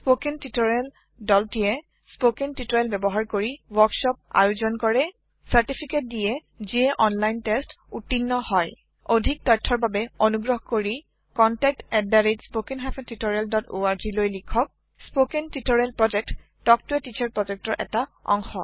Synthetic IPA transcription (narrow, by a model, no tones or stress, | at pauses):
spokɛntitɔɹɛl | dɔltijɛ | spokentitɔɹɛlbɛbɔɦaɹkoɹiwɔksɔp̚a̰juzɔnkɔɹɛ | saɹtipʰiket̚dijɛ | ziɛʔɔnlajntɛstutːinːɔhɔj | odʱik̚tɔtʰːɔɹbabɛonuɡɹɔɦkoɹi | kɔntɛk̚tɛddaɹedspokenɦapʰɛntitɔɹialdɔto̰aɹzilojlikʰɔk̚ | spokentitɔɹɛlpɹɔd͡ʒɛk̚tː | ɔk̚tʊɛtit͡ʃʰaɹpɹɔzɛk̚tɔɹʔɛ̰taɔ̰ŋxɔ̰